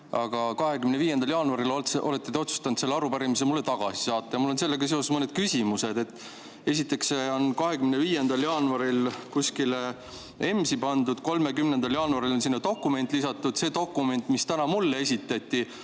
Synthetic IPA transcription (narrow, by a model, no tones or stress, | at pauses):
ɑɡ̥ɑkɑɦe̞kymneviːjend̪ɑljɑːnuɑɾiloeʔo̞̰le̞t̪ːˑet̪eo̞t̪su̥st̪ɑnd̪se̞lːɑɾupæɾimis̬emulːe̞t̪ɑɡ̥ɑsi̥sɑːt̪ːɑjɑmulːo̞nse̞lːeɡ̥ɑs̬e̞o̞smɤned̪̥̚kysʲimuse̞d̪e̞t̪ːˑ | e̞s̬ʲit̪ːˑe̞kseo̞nkɑɦe̞kymneviːjend̪ɑljɑːnuɑɾilkusʲkile | e̞msipɑnd̪̥ud̪̥ko̞lme̞kymne̞nd̪̥ɑljɑːnuɑɾilo̞nsinːɑt̪o̞kːˑume̞nt̪ːˑlisɑt̪ːˑud̪̥se̞ːt̪o̞kːˑume̞nʲt̪ˑmist̪ænɑmulːee̞sʲit̪ːˑɑt̪ʲːˑi